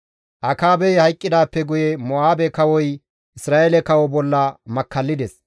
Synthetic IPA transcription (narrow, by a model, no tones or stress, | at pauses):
ʔɐkaːbɛjhɐjkʼːɪd̪aːpːɛɡʊjɛmɔaːbɛkɐwɔj | ʔɪsɾaːʔelɛkɐwɔbɔlːɐmɐkːɐlːɪd̪ɛs